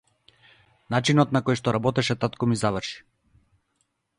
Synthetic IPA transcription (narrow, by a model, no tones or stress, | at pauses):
nat͡ʃinɔt̪nakɔjʃt̪ɔɾabɔt̪ɛʃɛt̪at̪kɔmizavr̩ʃi̥